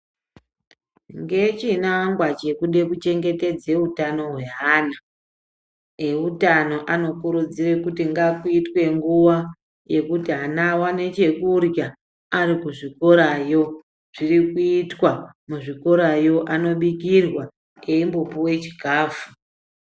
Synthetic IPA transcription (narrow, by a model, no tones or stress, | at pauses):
ŋɡe̞t͡ʃinaŋɡwat͡ʃe̞kuɗe̞kut͡ʃe̞ŋɡe̞te̞d͡ze̞utano̞ɦwe̞ɦaːna | eutano̞ʔano̞kuɾud͡zire̞kutiŋɡakuitwe̞ŋɡuwa | je̞kutiɦanawane̞t͡ʃe̞kurja | aɾikuʐiko̞ɾajo̞ | ʐ̥irikuitwa | muʐiko̞ɾajo̞ʔano̞ɓikirwa | eimbopuwe̞t͡ʃi̥ɡʱaːvu